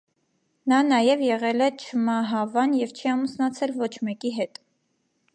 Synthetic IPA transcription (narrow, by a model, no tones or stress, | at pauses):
nɑnɑjɛvjɛʁɛlɛt͡ʃʰəmɑɦɑvɑnjɛvt͡ʃʰiɑmusnɑt͡sʰɛlvɔt͡ʃʰmɛkiɦɛt̪